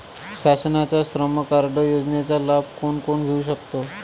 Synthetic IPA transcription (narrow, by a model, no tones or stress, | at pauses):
ɕasənat͡saɕɾəməkaɾɖəjod͡znjat͡salab̚koɳkoɳɡʱeuɕ̬əkt̪o